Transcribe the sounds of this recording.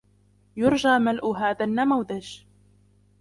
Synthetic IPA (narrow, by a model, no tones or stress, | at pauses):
jʊɾˤd͡ʒaːmalʔʊɦaːðanːamawðaʒ